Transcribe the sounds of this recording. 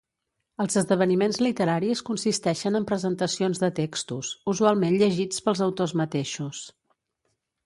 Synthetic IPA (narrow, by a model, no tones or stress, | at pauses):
əlˠzəzðəβ̞ənimenzlit̪əɾaɾiskunsist̪ɛʃənəmpɾəzənt̪əsionzðət̪ekst̪usuzualˠmenʎəʒit͡spəlˠzəwt̪ozmət̪eʃus